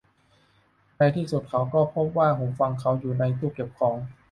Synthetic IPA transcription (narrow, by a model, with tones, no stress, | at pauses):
na˧jt̪ʰiː˥˩su˨˩t̪̚kʰa˩˥wkɔː˥˩pʰo˦˥p̚waː˥˩ɦo˩˦fa˧ŋkʰa˦˥wjuː˨˩na˧jt̪uː˥˩ke˨˩p̚kʰɔː˩˦ŋ